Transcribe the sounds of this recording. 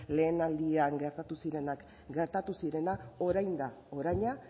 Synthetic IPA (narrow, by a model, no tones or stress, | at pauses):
le̞ːnald̪iaŋɡe̞ɾt̪at̪usiɾe̞nak | ɡe̞ɾt̪at̪usiɾe̞nao̞ɾajnd̪ao̞ɾajɲa